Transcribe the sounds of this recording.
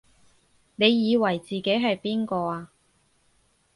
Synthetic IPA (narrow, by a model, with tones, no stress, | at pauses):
ne˨˧jːiː˨˧wɐ˨˩jt͡siː˨ke˨˥jɦɐ˨jpiː˥nkɔː˧aː˧